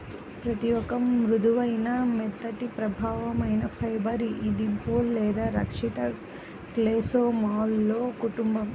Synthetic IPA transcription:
pɾɐt̪ijɔkɐmɾud̪uʋɐjnɐmɛd̪ːɐʈipɾɐbʱaːʋɐmɐjnɐpʰɐjbɐɾiʔid̪impoːllɛːd̪aːɾɐ̰kʂit̪ɐ | kleːsoːmaːlːoːkuʈumbɐm

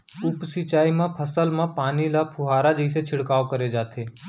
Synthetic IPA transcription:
ʊpsit͡ʃaːimãpʰəsəlmãpaːnilapʰʊɦaːɾad͡ʒəiset͡ʃʰɪɽkaːokɐɾed͡ʒaːt̪ʰeː

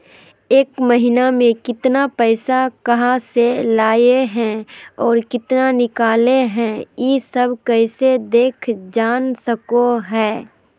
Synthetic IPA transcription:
eːkməɦɪnamẽkɪt̪napɛːɪsakɐɦaselaːjeɦɛ̃ɔːɾkɪt̪nanɪkaːleɦɛ̃jisɐbʱkɛɪsed̪eːkʰd͡ʒaːnsɐkoɦɛː

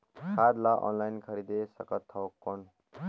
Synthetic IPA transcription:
kʰad̪laʔɔ̰nlajnkʰʌɾid̪esʌkʌt̪ʰːʌwkːon

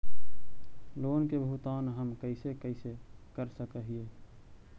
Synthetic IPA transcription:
loːnkebəɦut̪aːnɦəmkəɪsekəɪsekəɾsəkəɦieː

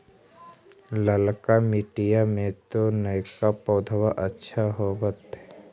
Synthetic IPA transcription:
ləlkamɪʈijamẽt̪onəjkapɔːd̪ʱwaʔətːʃʰaɦobət̪ɦɛ

